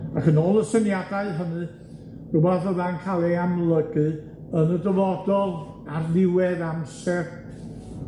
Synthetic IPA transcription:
akənɔːlˠəsɛnjadaɨɦənɨ | ɡ̥ʊbaðɔðankʰalˠɛjamlˠəɡɨ | ənədəvɔdɔð | arnɪwɛðamsɛr

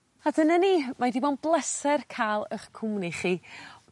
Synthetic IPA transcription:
adənaniːmadivɔnblˠɛsɛrkʰaːlˠəχkʰʊmniχiː

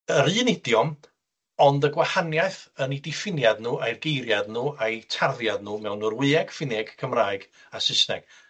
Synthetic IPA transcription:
əɾɨːnɪdjɔm | ɔndəɡwahanjajθənidɪfɪnjadnuːʔajrɡejɾjadnuːʔajtʰarðjadnuːmɛwnːurwɨɛɡ̥fɪnɛɡ̥kʰəmraːɨɡ | asɪsnɛ̰ɡ̥

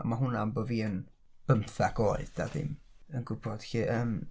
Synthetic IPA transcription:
maɦʊnamboviːən | b̥əmθaɡoːɨðd̥a̰ðɪ̰m | ənɡʊbɔd̥xiːʔəːm

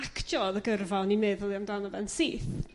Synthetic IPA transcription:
akʰd͡ʒɔðəɡərvanimɛðlˠiamdanɔvɛnsiːθ

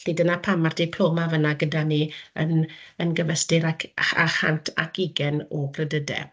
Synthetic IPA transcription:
ɬiːdənapʰamardɪpʰloːmavənaɡədaniənənɡəvəstɪɾakʰa̰ha̰ntʰa̰kiɡɛnɔblədədɛ̰

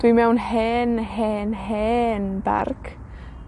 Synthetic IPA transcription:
d̥wimɛwnhɛːnhɛːnɦɛːnba̰rk

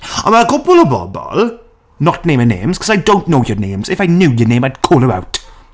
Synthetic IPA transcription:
ə̃makʰʊpəlˠəbɔ̰lˠbɔ̰l | nət̚nẽɪ̃mənḛ̃ɪ̃mz̥kʰʌzaɪdõʊ̃nnoʊjənẽɪ̃mz̥ɪfaɪnjʉːjənẽɪ̃maɪdkʰɔːlˠəba̰ʊt

